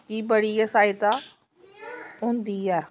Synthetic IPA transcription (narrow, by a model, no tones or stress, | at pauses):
t̪iːbəɽiːɛːsaːit̪aː | õːnd̪iːɛː